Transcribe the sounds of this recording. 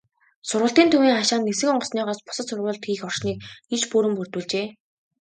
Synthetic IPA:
sʊrʁə̆ɬt̪iːnt̪ʰuniːŋaʃaːnːesɘ̆ŋɔɴɢɞ̆sniːʁɔːspʊ̥sə̆t̪sʊrʁʊːɮt̪ɡiːxɔr̥ʃniːk̚it͡ɕpuɾɘ̆mpur̥t̪wuːɮt͡ɕeː

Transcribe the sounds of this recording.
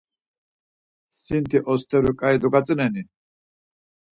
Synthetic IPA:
sint̪iʔɔst̪ʰɛɾukʼajd̪ukat͡sʼunɛni

